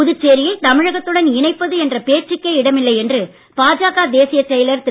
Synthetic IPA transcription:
ʊðɯt͡ʃːeːɾɪjɐɪt̪ɐmɪɻɐɣɐt̪ːɯɽɐnɪɳɐɪpːɐðɯɛndrɐpeːʈrɪkːeɪɽɐmɪlːɐɪɛndrɯ | paːd͡ʒaːɣaːd̪eːsɪjɐt͡ʃːɛjɐlɐɾt̪ɪ

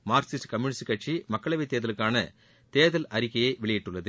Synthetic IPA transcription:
maːɾsɪsʈkɐmjunɪsʈkɐʈ̚t͡ʃimɐkːɐɭɐʋɐɪt̪ːeːðɐlɯkːaːnɐ | t̪eːðɐlɐɾɪkːɐjɐɪʋɪɭɪjɪʈːɯɭːɐðɯ

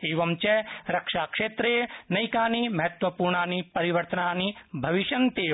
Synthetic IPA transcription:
eːʋɐmt͡ʃɛɾɐkʂaːkʂeːt̪ɾenɐjkaːnimɐɦɐt̪ʋɐpuːɾɳaːnipɐɾiʋɐɾt̪ənaːnibʱɐʋiʃɐnt̪eː

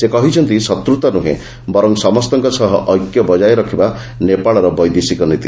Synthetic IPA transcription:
sekɔɦit͡ʃʰɔnt̪isɔt̪ɾut̪ɔnuɦḛ̃ | bɔɾɔŋsɔmɔst̪ɔŋkɔsɔɦɔʔɔjkjɔbɔd͡ʒajɾɔkʰiba | nepaɭɔɾɔbɔjd̪isikɔnit̪i

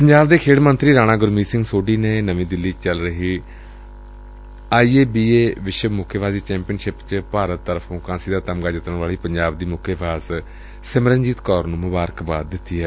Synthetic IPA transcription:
pəɲd͡ʒaːbd̪eːkʰeːɽmənt̪ɾiːɾaːñãːɡʊɾmiːsɪ̃ŋɡsoːɖiːneːnəʋĩːd̪ɪlːiːt͡ʃəlɾəɦiː | aːiːeːbiːeːʋɪʃəmʊkʰːebʰaːziːt͡ʃɛ̃ːmpijənʃɪpt͡ʃpaːɾət̪ːəɾəpʰõːkãːsiːd̪aːt̪əmɡaːd͡ʒɪt̪əɳʋaːɭiːpəɲd͡ʒaːb̚d̪iːmʊkʰːebaːz | səməɾənd͡ʒiːt̪kɔːɾnũːmʊbaːɾəkbaːd̪ːɪt̪ːiːɦɛː

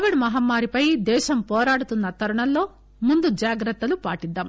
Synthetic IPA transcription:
ʋiɽmɐɦɐmːaːɾipɐjd̪ɛːʃɐmpɔːɾaːɽut̪unːɐt̪ɐɾɐɳɐlːo̞ː | mund̪ud͡ʒaːɡɾɐt̪ːɐlupaːʈid̪ːaːm

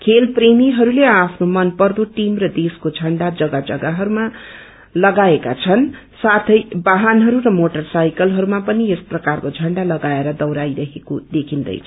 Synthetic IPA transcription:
kʰelpremiɦʌɾuleapʰnomʌnpʌrd̪oʈimrʌd̪eskod͡zʱʌɳɖad͡zʌɡad͡zʌɡaɦʌɾuma | lʌɡaeka̰t͡sʰʌn | sat̪ʰʌjbaɦanɦʌɾuɾʌmoʈʌrsajkʌlɦʌɾumapʌniesprʌkarkod͡zʱʌɳɖalʌɡaeɾʌd̪ʌwɾajɾʌɦeko̰d̪ekʰind̪ʌ̰jt͡sʰʌ

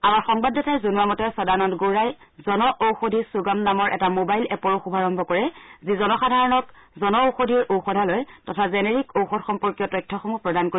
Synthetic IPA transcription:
amaɹxɔŋbadɔtʰajzonuamɔtɛsɔdanɔntɡoɹajzɔnɔʔowxodʱisuɡamnamɔɹʔɛ̰tamobajlɛpɔɹoxubʱaɹɔmbʱɔkɔɹɛzizɔnɔxadʱaɹɔnɔkzɔnɔowxodʱiɹʔowxɔdʱalɔjtɔtʰazɛneɹikowxɔdxɔmpɔɹkjɔtɔjtʰːɔxomupɹɔdankoi

